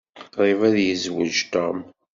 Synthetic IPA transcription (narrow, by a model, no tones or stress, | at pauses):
ɾˤivæðjəzwəd͡ʒt̪om